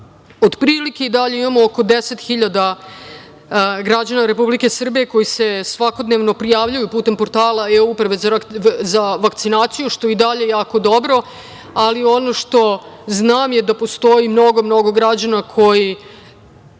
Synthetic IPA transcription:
od̪pɾiːlike̞id̪aʎe̞imamooko̞d̪ese̞t̪xiʎad̪a | ɡɾad͡ʑanaɾe̞publikesr̩bije̞ko̞jise̞sʋako̞d̪neʋno̞pɾijaːʋʎujupuːt̪e̞mpoɾt̪aːlaeupɾaʋezaʋakt̪sinaːt̪sijuʃt̪o̞eid̪aʎejaːko̞d̪o̞bɾo̞ | alio̞no̞ʂt̪o̞znaːmje̞d̪apo̞st̪o̞jimno̞ɡo̞mno̞ɡo̞ɡɾad͡ʑanakʰo̞ji

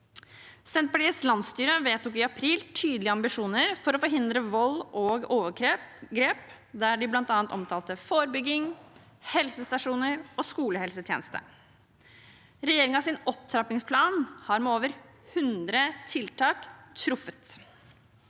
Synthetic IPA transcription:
sɛnt̪̚pɑʈiːəslɑnst̪yːɾəʋeːt̪ʊkɪɑpʰɾiːlt̪ʰyːd̪lɪəɑmbɪʂuːnəɾfɔɾɔfɔɾɦɪnd̪ɾəʋɔlːʔoːɡoːʋəkʰɾeɡɾeːp | d̪æːɖɪblɑnt̪ɑːɑnt̪ɔmt̪ʰɑːlt̪əfoːɾəbʏɡɪŋ | hɛlsəst̪ɑʂuːnəɾɔːskuːləhɛlsət̪ʰjeːnəst̪ə̰ | ɾɛjeːɾɪŋɑsɪnɔp̚t̪ʰɾɑpɪŋspʰlɑːnhɑɾmɛoːʋəɾ | hʉnd̪ɾət̪ʰɪlt̪ʰɑːkt̪ʰːɾʊfət̪

